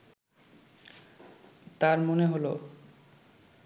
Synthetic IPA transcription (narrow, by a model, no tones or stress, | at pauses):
t̪aɾmoneɦolo